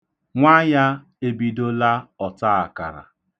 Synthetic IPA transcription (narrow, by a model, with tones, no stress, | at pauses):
ŋʷa˦ja˦ | e˦bi˦do˦la˦ɔ˨ta˦a˨ka̰˨ɾa̰˨